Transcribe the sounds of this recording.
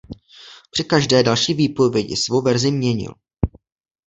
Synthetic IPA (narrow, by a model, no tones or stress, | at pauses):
pr̥ɪkaʒdɛːdalʃiːviːpo̞vjɛɟɪ̰svowvɛɾzɪmɲɛɲɪ̰l